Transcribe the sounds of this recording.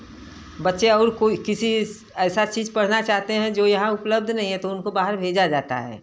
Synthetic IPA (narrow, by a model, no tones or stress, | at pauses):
bɐtːʃeɔːɾkoːikɪsi | ɛːsat͡ʃiːd͡ʒpɐɽ̤nat͡ʃaːɦt̪eɦɛ̃d͡ʒoːjɐɦãʊpləb̚d̪ʱnɐɦĩɦɛ̃t̪oʊnkobaːɦəɾbʱeːd͡ʒad͡ʒaːt̪a̰ɦɛ̰ː